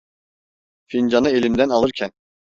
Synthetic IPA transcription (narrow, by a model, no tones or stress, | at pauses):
find͡ʒanɯelʲimd̪ænalˠɯɾcʰæn